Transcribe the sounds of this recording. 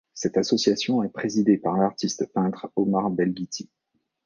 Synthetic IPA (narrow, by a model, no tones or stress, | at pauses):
sɛt̪asɔsjasjɔ̃ɛpχezid̪epaʁlaʁt̪ist̪pɛ̃t̪χɔmaʁbɛlɡʲit̪ʰi